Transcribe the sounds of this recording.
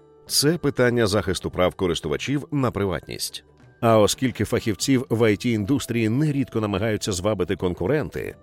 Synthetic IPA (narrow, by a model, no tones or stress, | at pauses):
t̪sɛpɪt̪anʲːɐzaxɪst̪ʊpɾawkɔɾɪst̪ʊʋɐ̰t͡ʃʲiwnɐpɾɪʋa̰tʲnʲḭsʲtʲ | ɐɔskʲilʲkɪfɐxʲiwt͡sʲiwʋɐjtʲiːnd̪ust̪ɾʲijinɛɾʲid̪kɔnɐmɐɦajʊt͡sʲːɐzʋabɪt̪ɪkɔnkʊɾɛnt̪ɪ̰